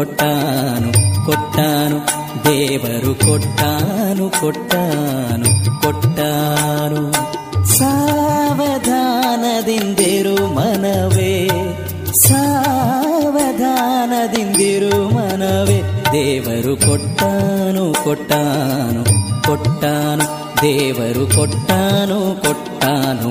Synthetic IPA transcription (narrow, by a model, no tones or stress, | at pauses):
ɔʈːaːnukɔʈːaːnu | d̪ɛːʋɐɾukɔʈːaːnukɔʈːaːnukɔʈːanu | saːʋɐd̪ʱaːnɐd̪ind̪iɾumɐnɐʋe | saː | ʋɐd̪ʱaːnɐd̪ind̪iɾumɐnɐʋeːd̪ɛːʋɐɾukɔʈːaːnukɔʈːaːnukɔʈːaːnu | d̪ɛːʋɐɾukɔʈːaːnukɔʈːaːnṵ